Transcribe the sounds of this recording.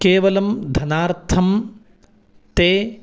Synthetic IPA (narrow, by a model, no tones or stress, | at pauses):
keːʋɐlɐmd̪ʱɐnaːɾt̪ʰɐm | t̪eː